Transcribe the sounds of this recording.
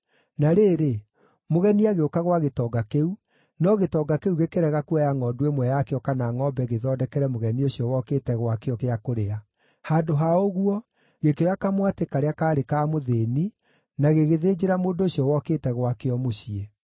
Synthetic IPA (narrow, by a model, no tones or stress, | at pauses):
naɾeːɾe | moɣɛniaɣeokaɣwaɣetɔːɡakeu | nɔɣetɔːɡakeuɣekeɾɛɣakuajaŋɔdwemwɛjakeɔkanaŋɔbɛɣeðɔdɛkɛɾɛmoɣɛnioɕijɔwɔkeːtɛɣwakeɔkeakoɾea | haːndoɦaoɣwɔ | ɣekeɔjakamwatekaɾeakaːɾekaːmoðeni | naɣeɣeðeːd͡ʒeɾamoːndoɕiɔwɔkeːtɛɣwakeɔmoɕie